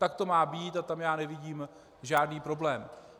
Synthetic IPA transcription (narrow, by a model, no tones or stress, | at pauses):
t̪ak̚t̪o̞maːbiːt̪at̪amjaːnɛvɪɟiːm | ʒaːdniːpɾo̞blɛːm